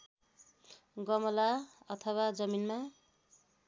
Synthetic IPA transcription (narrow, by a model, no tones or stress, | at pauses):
ɡʌmʌlaʌt̪ʰʌwad͡zʌminma